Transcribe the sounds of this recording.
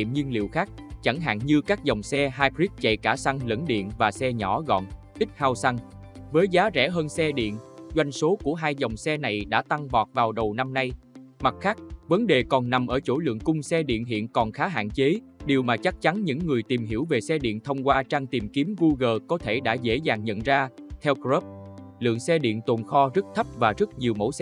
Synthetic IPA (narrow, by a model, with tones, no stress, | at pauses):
ḭ˧˨mɲi˧ənlḭ˧˨əwxaː˦˥k̚t͡ɕa˧˩ŋɦa̰ː˧˨nɲɨ˧kaː˦˥k̚zə˨˩wŋ͡msɛ˧ɦaː˧jpɾi˦˥k̚t͡ɕa̰˧˨jkaː˧˩sa˧ŋlə̰˧˥nɗḭ˧˨ənvaː˨˩sɛ˧ɲɔ˧˩ɣɔ̰˧˨n | ʔï˦˥t̟̚haː˧wsa˧ŋ | vəː˨˦jzaː˨˦zɛ̰˧˩ɦəː˧nsɛ˧ɗḭ˧˨ənzwa˧jŋso˨˦ku˧˩əɦaː˧jzə˨˩wŋ͡msɛ˧na˨˩jɗa̰ː˧˥t̪a˧ŋvɔ˨˩t̚vaː˨˩wɗə˨˩wna˧mna˧j | ma˨˩t̚xaː˦˥k̚və˨˦nɗe˨˩kɔ˨˩nna˨˩mʔəː˧˩t͡ɕo˧˩lɨ̰˧˨əŋkʊ˧ŋ͡msɛ˧ɗḭ˧˨ənɦḭ˧˨ənkɔ˨˩nxaː˨˦ɦa̰ː˧˨nt͡ɕe˨˦ | ɗi˨˩əwmaː˨˩t͡ɕa˦˥k̚t͡ɕa˨˦nɲɨ̰˧˥ŋːɨ˨˩əjt̪i˨˩mɦi˧˩əwve˨˩sɛ˧ɗḭ˧˨ənt̪ʰə˧wŋ͡mkwaː˧t͡ɕaː˧ŋt̪i˨˩mki˨˦əmɣu˧ɣəː˨˩kɔ˨˦t̪ʰe˧˩ɗa̰ː˧˥zḛ˧˥zaː˨˩ŋɲə̰˧˨nzaː˧t̪ʰɛ˧wkzəː˦˥p̚lɨ̰˧˨əŋsɛ˧ɗḭ˧˨ənt̪o˨˩nxɔ˧zə˦˥t̚t̪ʰə˦˥p̚vaː˨˩zə˦˥t̚ɲi˨˩əwmo̰˧˥sɛ˧